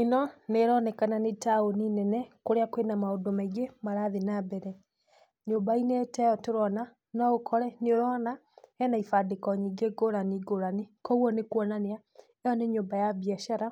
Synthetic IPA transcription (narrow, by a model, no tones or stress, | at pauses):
enɔneɾɔnɛkananetaoninɛnɛkoɾeakwenamaodomaiɡemaɾaːðenabɛɾɛ | ɲoːbainetɛjɔtoɾɔna | nɔɣokʰɔɾɛneoɾɔna | ɛnaifadekɔɲiɡeɡoɾaniɡoɾanikɔwɔnekwɔnanea | ɛɔneɲoːbajabjɛʃaɾa